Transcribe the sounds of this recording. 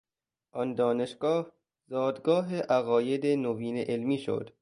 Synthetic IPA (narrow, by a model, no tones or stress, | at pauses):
ʔɒnd̪ɒːne̞ʃɡ̥ɒːh | zɒːd̪ɡɒːɦeʔæɣɒːjed̪enoviːneʔelmiːʃo̰d̪̥